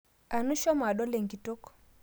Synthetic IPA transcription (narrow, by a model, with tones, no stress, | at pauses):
a˨nu˦ʃɔ˦ma˨ɗɔ˦lɛ˨ŋɡi˨tɔ˦kɔ̥˨